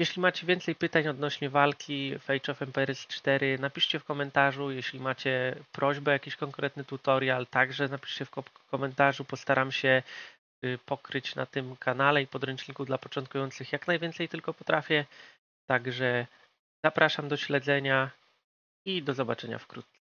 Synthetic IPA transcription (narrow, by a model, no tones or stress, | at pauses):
jɛɕlʲimat͡ɕɛvʲjɛnt̪sɛjpɘt̪aɲɔd̪nɔɕɲɛvalkʲifɛjt͡ʂɔfɛmpɛɛɾɛst͡ʂt̪ɛɾɘnapʲiʂt͡ɕɛfkɔmɛnt̪aʐujɛɕlʲimat͡ɕɛpɾɔʑbɛjakʲiɕkɔŋkɾɛt̪nɘt̪ut̪ɔɾʲjalt̪aɡʐɛnapʲi̥ʂt͡ɕɛfɔkɔmɛnt̪aʐupɔst̪aɾamɕɛ | pɔkɾɘt͡ɕna̰t̪ɘmkanalɛipɔd̪ɾɛnt͡ʂɲʲikuvd̪lapɔt͡ʂɔnt̪̚kujɔnt̪sɘxjaknajvʲɛnt̪sɛjt̪ɘlkɔpɔt̪ɾafʲjɛ | t̪aɡʐɛ | z̥apɾʔaʂamd̪ɔɕlɛd̪zɛɲa | id̪ɔzɔbat͡ʂɛɲa̰fkɾut̪ssɛ